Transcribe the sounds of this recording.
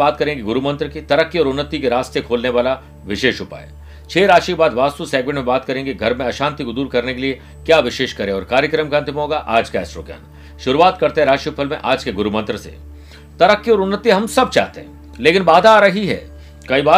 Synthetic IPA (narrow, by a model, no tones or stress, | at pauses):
aːt̪̚kɐɾẽːŋɡeɡʊɾumɐ̃nt̪ɾəkit̪ɐɾəkːjiɔːɾʊnːət̪ikeɾaːst̪ekʰoːlneʋaːla | ʋɪʃeːʃɦʊpa̰ːḛ | t͡ʃʰeːɾaːʃikebaːd̪ʋaːst̪useːɡ̚mẽɳʈmẽbaːt̪kɐɾẽːŋɡeɡʱɐɾmẽɐʃãːnt̪ikod̪uːɾkɐɾnekelie | kjaːʋɪʃeːʃkɐɾẽɔːɾkaːɾjəkɾəmkãnt̪ɪmɦoːɡaʔaːd͡ʒkaɛsɾo̰ːkja̰ːn | ʃʊɾuaːt̪kɐɾt̪eɦɛ̃ɾaːʃipʰəlmẽʔaːd͡ʒkeɡʊɾumə̃nt̪ɾəsḛ | t̪ɐɾəkːjiɔːɾʊnːət̪iɦɐmsɐb̚t͡ʃa̰ːɦt̪eɦɛ̰̃ | leːkɪnbaːd̪ʱaːɾɐɦiɦɛ̰ː | kɐibaː